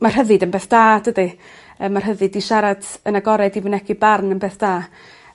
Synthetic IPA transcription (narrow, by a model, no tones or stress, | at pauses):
mar̥ɦəðɨdənbeːθd̥aːd̥ədi | əːmar̥ɦəðɨdiʃaɾadənaɡɔɾɛdivənɛkʰibarnənbeːθd̥aː